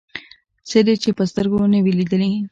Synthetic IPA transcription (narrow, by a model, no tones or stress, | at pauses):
sed̪et͡ʃepəst̪əɾɡonewilid̪əli